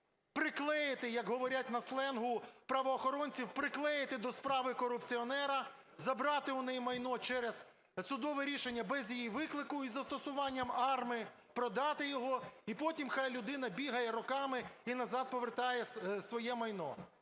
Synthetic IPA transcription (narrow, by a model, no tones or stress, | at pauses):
pɾɪklˠɛjɪt̪ɪjɐkɦɔʋɔɾʲat̚ʲnɐslˠɛnɦʊpɾɐʋɔːxɔɾɔnʲt͡sʲiwpɾɪklˠɛjɪt̪ɪd̪ɔspɾɑʋɪkɔɾʊpt͡sʲiɔnɛɾɐ | zɐbɾɑt̪ɪʊnɛjmɐjnɔt͡ʃɛɾez | sʊd̪ɔʋɛɾʲiʃenʲːɐbɛzʲjijiʋɪklˠɪkʊizɐst̪ɔsʊʋɑnʲːɐmɑrm | pɾɔd̪ɑt̪ɪjɔɦɔipɔtʲimxɑjlʲʊd̪ɪn̪ɐbʲiɦɐjɛɾɔkɑmɪinɐzɑd̪̚pɔʋert̪ɑjɛsʋɔjɛmɐjnɔ̰